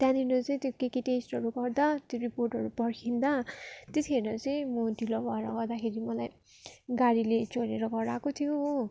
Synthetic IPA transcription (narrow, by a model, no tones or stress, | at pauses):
t̪jãninot͡sʌĩt̪jokekiʈesʈɦʌɾuɡʌrd̪at̪joɾiporʈɦʌɾupʌɾkʰind̪at̪et̪ʰieɾʌt͡sʌĩmʌdʱilobaɾaɡʌɾd̪akʰeɾimʌlaj | ɡaɾilet͡soɾeɾʌɡʌɾakot̪ʰijo